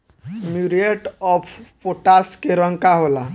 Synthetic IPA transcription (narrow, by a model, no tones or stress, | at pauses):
muɾeʈɔpʰpoʈaskeɾəŋkaɦola